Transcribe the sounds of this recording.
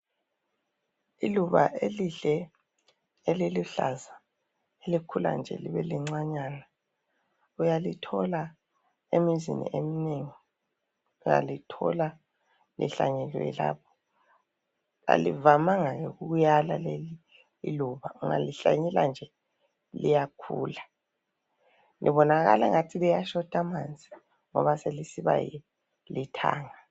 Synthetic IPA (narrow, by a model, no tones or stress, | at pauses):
iluβaʔeliɬɛ | eliluɬaza | elikʰula̰nd͡ʒʱɛ̰liβɛliŋ͡ǀaɲaːna | ujalitʰɔla | emizḭnḭʔemineŋi | uja̰litʰɔ̰la | lḭɬaɲɛlwɛ̰la̰ːpʰɔ̥ | a̰livamaŋaɣɛɣuɣujalaleliː | luβauŋa̰liɬaɲɛland͡ʒʱɛ | lijakʰṵːla | lʔiβɔnaɣa̰la̰ŋatʰilijaʃɔtʰʼamand͡zʱi | ŋɔβaselisiβa̰ji | litʰa̰ːŋa